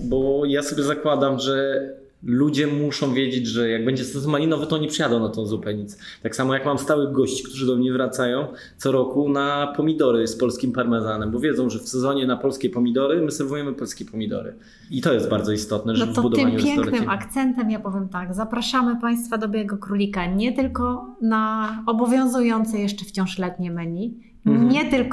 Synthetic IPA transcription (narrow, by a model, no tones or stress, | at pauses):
bɔjasɔbʲjɛzakwad̪amʐɛ | lud͡ʑɛmuʂɔ̃w̃vʲjed͡ʑed͡ʑʐɛjaɡ̚bɛɲd͡ʑɛsɛzɔmalʲinɔvɛt̪ɔɔɲipʂɨjad̪ɔ̃w̃nat̪ɔ̃w̃zupɛɲit̪st̪aksamɔjakmamst̪awɘɣɡɔɕt͡ɕi̥kt̪uʐɘd̪ɔmɲɛvɾat̪sajɔ̃w̃ | t̪sɔɾɔkunapɔmʲid̪ɔɾɘspɔlskʲimpaɾmɛzanɛmbɔvʲjɛd̪zɔ̃w̃ʐɛfsɛzɔɲɛnapɔlskʲɛpɔmʲid̪ɔɾɘmɘsɛɾvujɛmɘpɔlskʲɛpɔmʲid̪ɔ̰ɾɘ̰ | it̪ɔjɛsd̪̚baɾd̪ɔist̪ɔt̪nɛʐnɔvbud̪ɔvmamɲupʲjɛŋɔknɘʔakt̪sɛnt̪ɛmjapɔvʲjɛmt̪aɡzapɾaʂamɘpaj̃st̪fad̪ɔbʲjɛɡɔkɾulʲikaɲɛt̪ɘlkɔ | naɔbɔvʲjɔ̃w̃zujɔnt̪sɛjɛʂt͡ʂɛft͡ɕɔ̃w̃ʂlɛt̪ɲɛmɘɲi | ɲɛt̪ɘlk